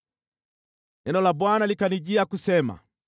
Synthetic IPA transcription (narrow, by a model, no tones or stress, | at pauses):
nɛnɔlabwanalikaniɟiakusɛma̰